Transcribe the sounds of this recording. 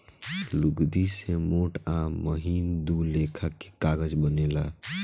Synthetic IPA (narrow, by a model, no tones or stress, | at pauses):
luɡd̪isemoʈaməɦind̪ulekʰəkːe̥kaɡəd͡ʒbənela̰